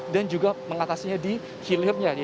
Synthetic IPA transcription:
dand͡ʒuɡaməŋat̪asiɲadi | hilɪrɲa

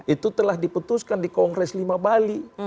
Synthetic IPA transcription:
ʔit̪ut̪əlahdiput̪uskandikɔŋɡɾɛslimabali

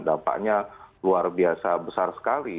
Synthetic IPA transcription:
dampa̰ʔɲaluarbiasabəsarsə̥kali

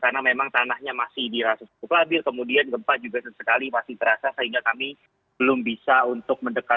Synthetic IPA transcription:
karnamemaŋt̪anahɲamasɪhdiɾasasit̪uklabɪrkəmudianɡəmpad͡ʒuɡasəsəkalipasɪht̪əɾasasəɦiŋɡakami | bəlʊmbisaunt̪ʊk̚məndəka

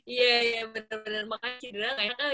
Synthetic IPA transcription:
ijaijabənərbənərmakat͡ʃidilaŋaka

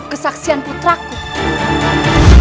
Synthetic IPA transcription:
kəsaksianput̪ɾak̚ku

